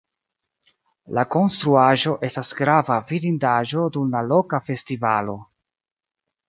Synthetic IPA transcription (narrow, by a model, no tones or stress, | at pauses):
lako̞nstɾuaʒo̞ʔe̞stasɡɾavavidindaʒo̞dumlalo̞kafe̞stivalo̞